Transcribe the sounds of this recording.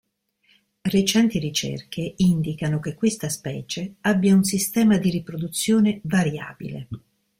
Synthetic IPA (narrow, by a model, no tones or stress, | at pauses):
ret͡ʃɛnt̪iɾit͡ʃḛrkʰeind̪ikanokekːwest̪aspɛːt͡ʃeabːjauns̬ist̪ɛːmad̪iɾipɾod̪ut̪sːjoːnevaɾja̰ːbḭlḛ